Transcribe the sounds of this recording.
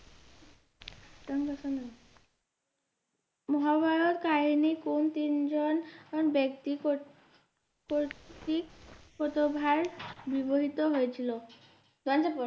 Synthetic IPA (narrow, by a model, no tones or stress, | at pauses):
t̪aŋkasana | mɔɦabajɔt̪kaɦinikont̪ind͡ʑɔnɔnbjekt̪ik | kot̪ikpɔt̪ɔbʱaɾbiboɦit̪ɔɦojet̪ʰilɔ | d̪ant͡ɕapɔ